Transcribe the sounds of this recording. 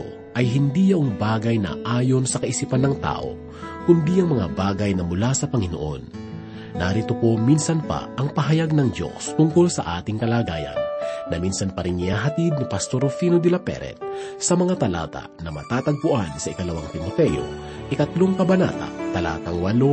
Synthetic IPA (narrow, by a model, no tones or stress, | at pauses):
o | ʔɐjɦɪnd̪ijɐʔoŋbaːɡɐjnɐ̰ʔaːjo̞nsɐkɐʔɪsipanːɐŋt̪a̰ːʔo̞̰ | kʊnd̪iʔɐŋmɐŋabaːɡɐjnɐmʊlasɐpɐŋɪno̰ʔo̞̰nː | aɾit̪opo̞minsɐnpɐ̰ʔɐŋpɐɦɐjaɡ̚nɐŋd͡ʒo̞̰st̪ʊŋko̞lsɐʔaːt̪ɪŋkɐlaːɡaːjɐ̰nːɐminsɐnpɐɾɪŋɪaɦɐt̪id̪̚nɪpɐst̪o̞ɾfinod̪ɪlɐpɛ̰ɾɛ̰t̪̚sɐmɐŋat̪ɐla̰ːt̪a̰nɐmɐ̰t̪aːt̪ɐɡ̚pʊʔansɐʔɪkɐlɐwaŋt̪ɪmot̪ɛjo̞̰ | ʔɪk̪ɐt̪loŋkɐbɐna̰ːt̪a̰t̪ɐla̰ːt̪ɐŋwɐlo